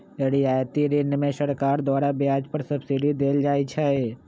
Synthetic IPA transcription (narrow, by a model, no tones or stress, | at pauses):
ɾiaːjt̪iɾeːnmẽʃɐɾkaːɾd̪waːɾabjaːd͡ʒpəɾsɐbsiɖid̪eːld͡ʒaːit͡ʃʰae